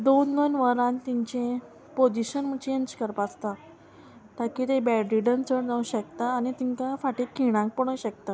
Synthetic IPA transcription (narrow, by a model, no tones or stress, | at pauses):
d̪onːənʋəɾãnt̪iɲt͡ɕẽ | pod͡ʑiɕənm̤ət͡ɕʰiənt͡ɕkəɾpast̪a | t̪akit̪ebɛɖɾiɖənt͡səɽd͡zaũɕəkt̪aːnit̪iŋkafaʈekiɽ̃ãk̚pəɽ̃əɕək̚t̪a